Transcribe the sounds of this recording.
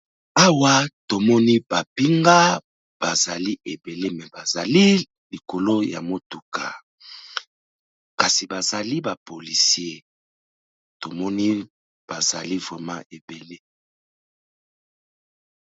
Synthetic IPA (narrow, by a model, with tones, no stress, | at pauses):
a˦wa˦to˨mɔ˦ni˦b̥a˨pi˦ŋɡa˦ | b̥a˨za˨li˦ʔe˨be˨le˦mɛ˨ba˨za˨li˦ | li˨ko˨lo˦ja̰˨mo˦tu˨ka̰˨ | ka˨si˨ba˨za˨li˦ba˨po˨li˨si˦e˦˨ | to˨mɔ˦ni˦ | b̥a˨za̰˨li˦vʁɛ˨mã̰˦ʔe˨be˨le˦